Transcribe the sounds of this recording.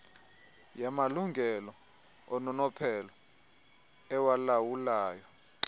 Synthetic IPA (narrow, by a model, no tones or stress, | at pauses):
jamaluŋɡʱɛlɔ | ɔnɔnɔpʰɛlɔ | ɛwalawulaːjɔ